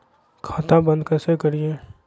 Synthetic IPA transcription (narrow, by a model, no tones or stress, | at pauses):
kʰaːt̪ãbə̃nd̪kəɾsekəɾije